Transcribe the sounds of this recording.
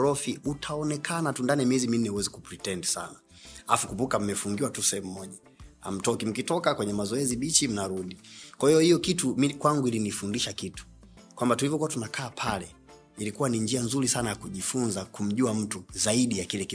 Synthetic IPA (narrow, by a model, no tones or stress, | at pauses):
ɾɔfiutʰaɔnɛkʰanatundaniamiɛzimin̩nːɛuwɛziku̥pɾitɛndsa̰na | afukubukam̩mɛfuŋɡiwatusɛɛm̩mɔʄa | a̰m̩tɔkim̩kitɔkakwɛɲɛmazɔɛziɓit͡ʃim̩naɾuɗikwahijɔhijɔkitumikwaŋɡuilinifundiʃakitu̥ | kwambatulivɔkuwatunakʰaːpʰalɛ | ilikuwaniɲd͡ʒianzuɾisanajakuʄifunzakum̩ʄuam̩tuzaiɗijakilɛki